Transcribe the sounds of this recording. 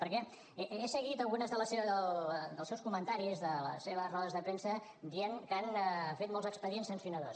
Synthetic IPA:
pəɾkɛ | eʔesəɣit̪əlˠɣunəzðələseβəðəld̪əlˠsɛwskumənt̪aɾizðələ̰sːeβəzrɔðəzðəpɾensə | d̪iəŋkanfet̪molˠzəkspəðiensənsiunəðos

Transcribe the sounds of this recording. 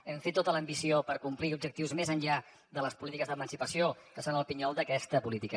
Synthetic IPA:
ɛmfet̪ːot̪ələmbisiopəɾkumpliub̚d͡ʒəkt̪iwzmezəɲʎa | d̪ələspulit̪ikəzðəmənsipəsiokəsonəlˠpiɲɔlˠd̪əkɛst̪əpulit̪ikə

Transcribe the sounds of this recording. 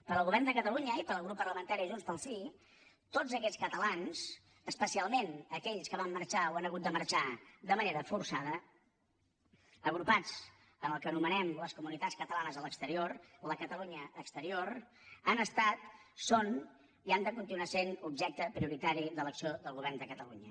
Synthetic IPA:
pəɾəlˠɣuβɛrnd̪əkət̪əluɲəipəɾəlˠɣɾupːərləmənt̪aɾiʒunspəlˠsi | t̪od͡zəkɛt͡sskət̪əlans | əspəsialˠmenəkɛʎskəβ̞amːəɾt͡ʃawanəɣut̪̚d̪əmərt͡ʃad̪əməneɾəfursaðə | əɣɾupad͡z | ənəlˠkənumənɛmləskumunit̪at͡sskət̪əlanəzələkst̪əɾioɾləkət̪əluɲəːkst̪əɾioɾ | anəst̪at̪son | iand̪əkunt̪inuasenubʒɛk̚t̪əpɾiuɾit̪aɾiðələksioðəlˠɣuβɛrnd̪əkət̪əluɲə

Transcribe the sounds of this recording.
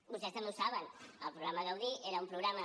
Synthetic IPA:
bust̪est̪ɐmusaβɐnəlˠpɾuɣɾamaɣawðieɾaumpɾuɣɾama

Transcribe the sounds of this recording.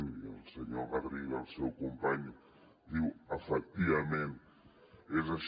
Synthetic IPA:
nd̪iauseɲoɾɣaðɾiɣausewkõmpaɲu | ðiwafɛk̚t̪ivamẽnt̪ | ezaʃ

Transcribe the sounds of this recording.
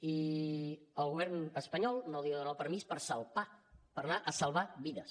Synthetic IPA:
i | əlˠɣuβɛrnəspəɲɔlˠnoliəðunapəɾmispəɾsəlˠpapəɾnaʔəsəlˠβaβiðəs

